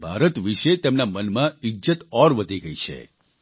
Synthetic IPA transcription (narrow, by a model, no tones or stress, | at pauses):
bʱaɾət̪ʋiʃet̪emnamənmãɪd͡ʒət̪ɔɾʋəd̪ʱiɡəit͡ʃʰḛ